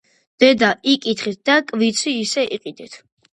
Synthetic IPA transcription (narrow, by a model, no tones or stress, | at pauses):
d̪̥ɛd̪aikʼit̪ʰχit̪̚d̪akʼvit̪sʰiːsɛʔiqʼid̪ɛt̪ʰ